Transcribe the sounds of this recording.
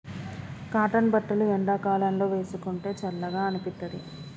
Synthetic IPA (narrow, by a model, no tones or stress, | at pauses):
kaːʈɐnbɐʈːɐluɛɳɖaːkaːlɐnlo̞ːʋe̞ːsukuɳʈe̞ːt͡ʃɐlːɐɡaːɐnipit̪ːɐd̪ḭ